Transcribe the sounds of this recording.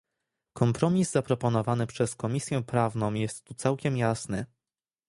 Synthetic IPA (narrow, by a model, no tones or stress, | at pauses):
kɔmpɾɔmʲizzapɾɔpɔnɔvanɘpʂɛskɔmʲisʲjɛ̃pɾavnɔ̃w̃jɛst̪ːut̪sawkʲɛmjasnɘ